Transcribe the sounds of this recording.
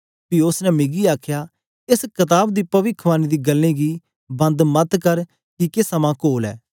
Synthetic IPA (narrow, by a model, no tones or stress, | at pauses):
piʊsnɛmɪɡiaːkʰjaː | ɪskɐt̪aːb̚d̪iːpɐʋɪkʰʋaːnid̪iːɡəlːĩːɡiː | bɐ̃nd̪mɐt̪kəɾ | kikɪsɐmãːkoːlɛ̰ː